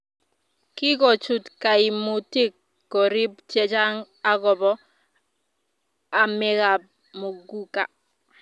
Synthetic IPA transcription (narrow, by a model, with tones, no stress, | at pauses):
kɪ˦kɔ˨t͡ʃu˨tka˨i˨mu˨ti˦kː | ɔ˨ɾi˦bt͡ʃɛ˦t͡ʃa˦ŋ | a˦ɡɔ˨bɔ˦ | a˨mɪ˦ɣa˨b̚ | mo˨ɡu˦ka̰˨